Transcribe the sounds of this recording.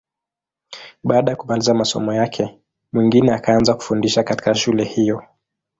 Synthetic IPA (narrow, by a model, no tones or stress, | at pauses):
ɓaːɗajakumalizamasɔ̰mɔjakʰɛ | mwiŋɡinɛakaanzaku̥fundiʃakati̥kaʃulɛhijɔ